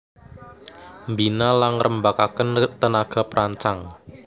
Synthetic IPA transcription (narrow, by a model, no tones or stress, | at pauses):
mbinalaŋrʔəmbakakənt̪ənaɡ̥a̤pɾʔaɲt͡ʃaŋ